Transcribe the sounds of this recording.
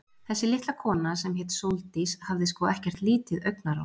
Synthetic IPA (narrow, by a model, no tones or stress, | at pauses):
θɛsːɪlɪht̪lakʰɔːnasɛmhɛt̪sowlt̪ishavðɪskvɔːɛhcɛr̥t̪liːt̪ɪðœɥk̚naɾa̰w̪